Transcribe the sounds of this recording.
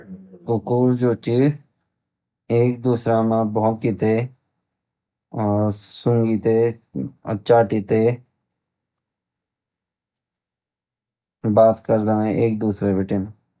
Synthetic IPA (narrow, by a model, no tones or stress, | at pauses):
kʊkuːɾd͡ʒoːt͡ʃi | eːk̚d̪uːsɾaːmãbɔkit̪e | ɔːsʊ̃ŋɡit̪e | ə̰t͡ʃaːʈiːt̪eː | baːt̪kəɾd̪aːʋẽʔeːk̚d̪uːsɾebeʈen